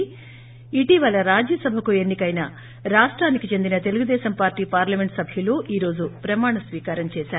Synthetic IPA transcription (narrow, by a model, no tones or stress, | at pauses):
iʈiʋɐlɐɾaːd͡ʒjɐsɐbʱɐkue̞nːikɐjnaː | ɾaːʂʈɾaːnikit͡ʃe̞nd̪inɐt̪e̞luɡud̪ɛːʃɐmpaːɾʈːiːpaːɾlɐme̞ɳʈsɐbʱjuloːʔiːɾo̞ːd͡ʒupɾɐmaːɳɐsʋiːkaːɾɐmt͡ʃɛːʃaːɾu